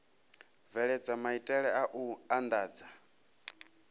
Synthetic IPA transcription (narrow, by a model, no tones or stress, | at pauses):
vɛɺɛd͡zamaitʼɛɺɛaʔuand̪aːd͡za